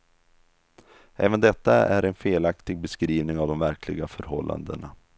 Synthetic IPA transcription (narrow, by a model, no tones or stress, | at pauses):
ʔɛːvənd̪ɛt̪ːaæɾɛnfeːlakt̪ɪɡ̚bɛskɾiːvnɪŋavd̪ɔmvæɾkʰlɪɡafœɾɦɔlːa̰nd̪əɳa